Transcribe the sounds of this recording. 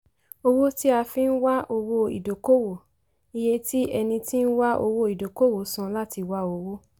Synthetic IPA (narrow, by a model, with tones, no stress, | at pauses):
o˧wo˦ti˦a˧fĩ˦˧n̩˦wa˦ʔo˧wo˧ḭ˨do˨ko˦wo˨ | i˧je˧ti˦ɛ˧nĩ˧ti˦n̩˦wa˦ʔo˧wo˧˦i˨do˨ko˦wo˨˦sã˧la˦ti˧wa˦o˧wo˦